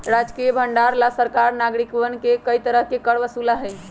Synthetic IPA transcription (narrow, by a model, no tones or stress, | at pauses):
ɾad͡ʒkijbʱəɳɖaɾlasəɾkaɾnaɡɾikʋənkekəjt̪əɾəɦkekəɽʋəsulaɦəj